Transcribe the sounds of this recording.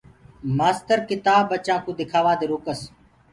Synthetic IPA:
maːst̪əɾkɪt̪aːbːət͡ʃãːkũːd̪ɪkʰaːʋãːd̪eːɾoːkəs

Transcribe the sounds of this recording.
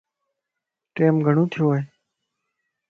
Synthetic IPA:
ʈeːmɡʱəɳ̃õːt̪ʰɪjõːɦeː

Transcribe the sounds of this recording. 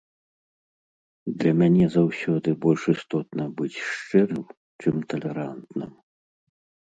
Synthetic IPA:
d̪lʲɐmʲanʲɛzawsʲɔd̪ɨbɔlʲʂist̪ɔt̪nɐbɨt͡sʲʂt͡ʂɛɾɨw | t͡ʂɨmt̪ɐlʲɛɾant̪nɨ̰m

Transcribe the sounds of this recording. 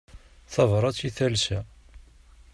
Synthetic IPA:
θɑvɾˤɑt͡siθælsæ

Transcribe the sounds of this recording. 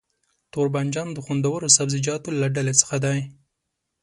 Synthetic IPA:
t̪oɾband͡ʒɑnd̪əxund̪awəɾosabzɪd͡ʒɑt̪olaɖalet͡sə̥xad̪aj

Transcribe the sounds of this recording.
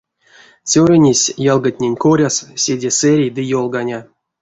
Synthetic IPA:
t͡sʲoɾʲenʲesʲjɑlˠɡatʲnʲenʲkoɾʲassʲed͡zʲesɛɾʲejd̪ɨjolˠɡanʲa

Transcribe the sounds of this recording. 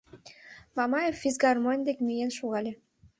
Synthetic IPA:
mɑmɑjefːizɡɑrmonʲd̪ekmyjenʃuɣɑlʲe

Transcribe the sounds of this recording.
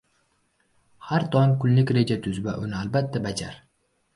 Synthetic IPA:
haɾt̪ʰɒnkʰʊllɪkʲɾe̞d͡ʒat̪ʰʊzva̰ʔʊnɪalbat̪ʰːabad͡ʒa̰ɾ

